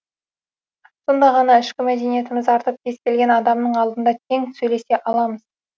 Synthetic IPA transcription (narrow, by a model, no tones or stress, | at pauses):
so̞nd̪ɑʁɑnɑɪʃkʲɪmæd̪e̞nije̞t̪ɪmɪzɑɾt̪əp̚kʲʰe̞skʲe̞lɡʲe̞nɑd̪ɑmnəɴɑlˠd̪ənd̪ɑt̪ʲʰe̞ŋsɵjle̞se̞ʔɑlˠɑməz